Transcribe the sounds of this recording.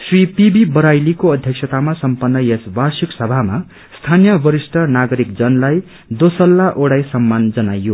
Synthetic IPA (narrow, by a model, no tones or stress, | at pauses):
sripibibʌɾajlikoʌd̪ʱjʌksʰʌt̪amasʌmpʌnːʌjesbarsiksʌbʱama | st̪ʰanjʌbʌɾisʈʰʌnaɡʌɾikd͡zʌnlaj | d̪osʌlːaʔoɽajsʌmːand͡zʌnajːo